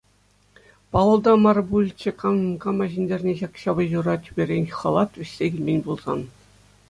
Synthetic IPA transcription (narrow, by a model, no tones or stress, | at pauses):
pɑlˠɤ̆lˠd̪ɑmɑrbulʲt͡ɕĕkʰɑkɑmɑʑinʲdʲerʲnʲeʑɑkɕɑbɤ̆ʑurɑt̪ʲybʲerʲenʲχɑlˠɑt̪ʋʲɘ̆sʲːeɡʲilʲmʲenʲbulˠzɑ̰n